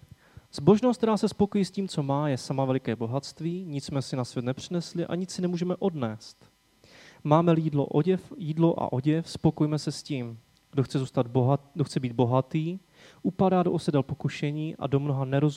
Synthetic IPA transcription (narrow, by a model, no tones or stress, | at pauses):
z̥bo̞ʒnost̪t̪ɛɾaːsɛspo̞kojiːsciːmt͡so̞maːjɛsamavɛlɪkɛːbo̞ɦat̪st̪viːɲɪt͡ssmɛsɪnasvjɛt̪nɛpr̝̥ɪnɛslɪʔa̰ɲɪt͡sɪnɛmuːʒɛmɛʔo̞dnɛːst̪ | maːmɛliːdlo̰ʔɛfjiːdlo̞ʔa̰ʔo̞ɟɛfspo̞kojmɛsɛsciːm | ɡ̥doxt͡sɛzuːst̪ad̪doxt͡sɛbiːd̪̚bo̞ɦat̪iː | ʔupadaːdoʔosɛdɛlpo̞kuʃɛɲiːʔa̰do̞mno̞ɦanɛɾo̞zu